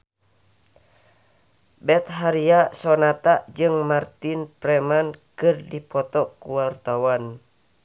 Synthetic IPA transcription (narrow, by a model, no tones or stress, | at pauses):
bɛt̪̚ɦaɾiasɔnat̪aʔd͡ʒɨŋmart̪inpɾɛmankɨrdipɔt̪ɔkuwart̪awan